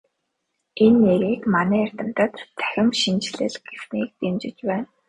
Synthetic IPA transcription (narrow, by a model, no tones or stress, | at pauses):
enːeɣiːkmanæːær̥ʲt̪ə̆m̥t̪ə̆t̪t͡sʰæ̥xʲɪ̆mʃint͡ɕɮɘ̰̆ɮɡ̥ewniːk̚t̪emt͡ɕɪ̆t͡ɕpæːn